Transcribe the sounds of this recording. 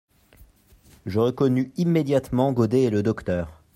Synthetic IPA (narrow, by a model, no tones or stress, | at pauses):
ʒəʁɛkɔnyimːed̪jat̪mɑ̃ɡod̪eːləd̪ɔkt̪œːʁ